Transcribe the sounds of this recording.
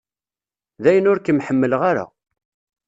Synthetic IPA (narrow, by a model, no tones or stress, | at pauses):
ðæjənʊɾkəmħəmːəlʁaɾa̰